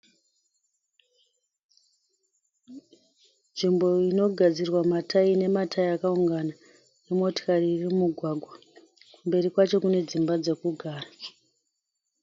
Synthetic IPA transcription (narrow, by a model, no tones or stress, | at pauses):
nʐimbo̞ino̞ɡʱad͡zirwamatʰaine̞matʰaiakauŋɡana | emo̞to̥kariːrimmuɡʱwaɡʱwa | kumbe̞rikwat͡ʃo̞kune̞d͡zimbad͡ze̞kuɡʱaːra